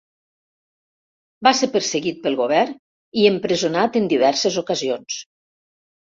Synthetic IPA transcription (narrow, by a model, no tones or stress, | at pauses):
baseɾpəɾsəɣit̪̚pəlˠɣoβ̞ɛrn | iəmpɾəzunat̪ənd̪iβ̞ɛɾsezokəzions